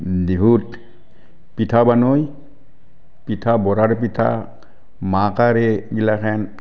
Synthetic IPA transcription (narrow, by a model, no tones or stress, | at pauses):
dibʱut | pitʰabanoj | pitʰabɔɾaɾp̬itʰa̰ | makaɾeɡilakʰɛn